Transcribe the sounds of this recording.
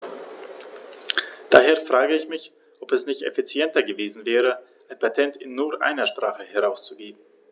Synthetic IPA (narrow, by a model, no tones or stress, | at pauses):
d̥aːɦeːɐfʁ̥aːɡəɪçmɪç | ʔɔpɛsnɪçtɛ̰fit͡sjɛntɐɡəveːzn̩vɛːʁ̞əʔaɪnpʰatʰɛntʰɪnːuːɐʔa̰ɪnɐʃpʁ̥aːχəhɛʁaʊst͡suviːbn̩